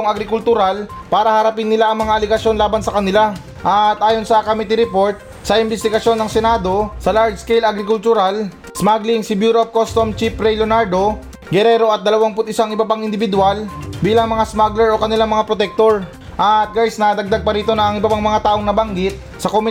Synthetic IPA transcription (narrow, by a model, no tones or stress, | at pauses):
oŋɐɡɾɪkʊlt̪ʊɾalpaːɾɐhɐɾɐpɪnːɪlaʔɐŋmɐŋaʔɐlɪɡɐsjo̞nlaːbɐnsɐkɐnɪla | ʔɐt̪ʔaːjo̞nsɐkomɪt̪iɾɛpo̞ɾt̪̚ | sɐʔɪnbɛst̪ɪɡɐʃjo̞nːɐŋsɛnaːd̪o̞sɐlaɹd͡ʒskɛjlɐɡɾɪkʊlt̪ʊɾal | smaɡliŋsɪbjuɾop̚kost̪omt͡ʃipɾɛjlonaɾd̪o̞ | ɡɛɾɛɾo̞ʔɐt̪̚d̪ɐlɐwaŋpʊt̪ʔɪsaŋʔɪbɐpaŋɪnd̪ɪbɪd̪ʊalbiːlɐŋmɐŋasmaɡlɛɹʔo̞kɐnɪlaŋmɐŋapɾot̪ɛk̚t̪o̞ɹ | ʔɐt̪̚ɡajsnɐd̪ɐɡ̚d̪aɡ̚pɐɾiːt̪o̞nɐɐŋɪbɐpaŋmɐŋat̪aːʔo̞ŋnɐbɐŋɡɪt̪̚ | sɐkomɪ